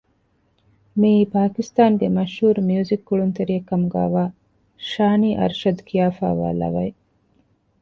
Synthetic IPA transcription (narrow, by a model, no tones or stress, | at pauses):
mipaːkist̪aːŋɡemɐʃhuːɾmijuːzikːuɭunt̪ɐɾiɐkːɐmuɡa̰ːʋaː | ʃaːniːʔɐ̰ɾʃɐd̪kʰijaːfa̰ːʋa̰ːlɐ̰ʋɐj